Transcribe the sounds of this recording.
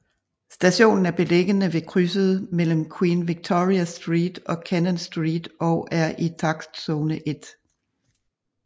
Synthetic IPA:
sd̥æɕo̝̰ːnn̩æɐb̥e̝leɡ̥ənəʋe̝kʰʁysəð̩ˠmel̰əm̩kʰwiːnʋiɡ̥̚t͡sʰoʁiæsd̥ʁḭːd̥ɒ̽kʰænənsd̥ʁḭːd̥ɒʊʔæɐʔit͡sʰɑ̈ɡ̥sd̥sɔːnəʔe̝d̥

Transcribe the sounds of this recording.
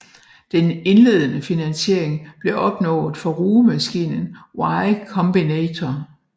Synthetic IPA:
d̥ene̝nle̝ð̞̰ˠənəfinænɕe̝ɐ̰eŋb̥le̝ʔɒ̽b̥nɔ̰̽ːð̩ˠfɒ̽ʁuːmæsɡ̥ḭːnən̩wɑ̈ɪkʰɒ̽mb̥inɛːt͡sʰɒ

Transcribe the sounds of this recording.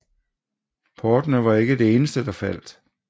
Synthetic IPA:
pʰɒːd̥nəʋɑ̈e̝ɡ̥əd̥e̝e̝ːnəsd̥əd̥ɑ̈fæl̰d̥

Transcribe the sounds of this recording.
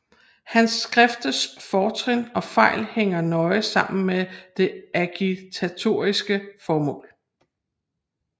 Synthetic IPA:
hænsːɡ̥ʁɛfd̥əsfɒːt͡sʰʁinɒ̽fɑ̈ɪlheŋ̰ɐnɒ̽ɪəsɑ̈m̰n̩med̥e̝ækʰit͡sʰæt͡sʰo̝̰ːisɡ̥əfɒːmɔ̰̽ːl

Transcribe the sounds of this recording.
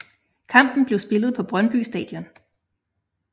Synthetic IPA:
kʰɑ̈m̰b̥n̩b̥le̝ʊsb̥e̝lð̞̩ˠpʰɒ̽b̥ʁɶnb̥y̰sd̥ɛ̰ːd̥jɔ̽n

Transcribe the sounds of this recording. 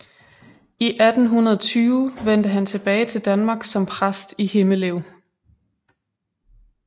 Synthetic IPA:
iʔæd̥n̩ɦunɐðˠɒt͡sʰyːʊʋen̰d̥əɦænt͡sʰe̝b̥ɛːɪt͡sʰe̝ld̥ænmɑ̈ːɡ̥sɒ̽mpʰʁasd̥ihe̝məleʊ̰

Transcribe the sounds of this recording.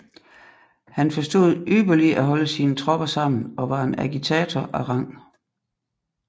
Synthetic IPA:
hænfɒ̽sd̥o̝ðˠyːb̥ɐliʔæɦɒ̽ləsiːnət͡sʰʁɒ̽b̥ɐsɑ̈m̰n̩ɒ̽ʋɑ̈e̝næɡ̥it͡sʰɛːt͡sʰɒʔæʁɑ̈ŋ̰

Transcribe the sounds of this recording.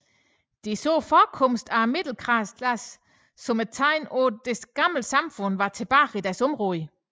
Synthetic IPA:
d̥e̝sɔ̰ːfɒkʰɔmsd̥æmed̥l̩kʰʁɑskʰlæsː | ɒ̽mət͡sʰɑɪmɔd̥esɡ̥ɑ̈ml̩sɑ̈mfɔ̽n̰ʋɑ̈t͡sʰe̝b̥ɑ̈ːʁid̥æɐsɔ̽mʁɔð

